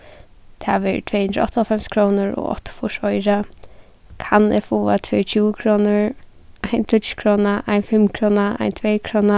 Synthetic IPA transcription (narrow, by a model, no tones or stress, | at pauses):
t̪ʰa̰ʋɛɾt̪ʰvɛːhʏnd̪ɾɔ̰ht̪aɔfɛmskʰɾoːnʊɹɔ̰ɣɔ̰ht̪ḁfʊʂɔjɾa | kʰanɛ̰fuːat̪ʰvœjt͡ʃʰuːəkʰɾɔːnʊɹ | ajnt̪ʰʊt̪ʃkʰɾɔːnaʔa̰jnfɪmkʰɾoːnaa̰jnt̪ʰvɛːkʰɾoːna